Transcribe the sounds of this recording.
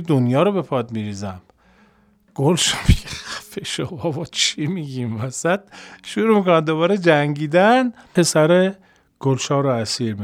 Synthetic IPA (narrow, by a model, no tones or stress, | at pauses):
d̪onjɒːɾobepʰɒːd̪miɾiːzæm | ɡ̥olʃomiefeʃobɒbɒt͡ʃʰimiɡimvæsæt̪̚ʃuɾuːmikonæd̪d̪oβɒːɾed͡ʒæŋɡiːd̪ænʰ | e̞sæɾe | ɡ̥olʃɒːɾoæsiːɾmi